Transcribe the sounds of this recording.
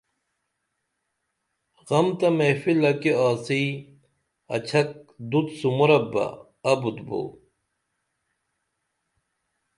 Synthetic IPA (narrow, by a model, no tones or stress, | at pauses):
ɣɐmt̪ɐmefilɐkiaːsij | ɐ̰t͡ɕʰɐk̚d̪ut̪sumuɾɐbɐ̰ | ɐbud̪bo̰